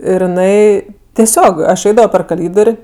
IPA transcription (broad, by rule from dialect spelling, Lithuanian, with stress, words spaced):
ˈɪr jɪˈnɐɪ tʲɛˈsʲoːk ɐʃ ˈɛɪdɐʋoː pʲɛr kɐˈlʲiːdoːrʲ